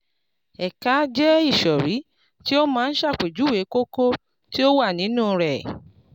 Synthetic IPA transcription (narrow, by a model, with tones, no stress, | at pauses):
ɛ˨ka˨˦d͡ʒɛ˦i˦˨ʃɔ˨ɾi˨˦ | ti˦o˦mãː˦˧n̩˦ʃa˦˨k͡pe˨d͡ʒu˨˦we˨˦ko˦ko˦ | ti˦o˦wa˦˨nĩ˨˦nũ˦˨˧ɾɛ˨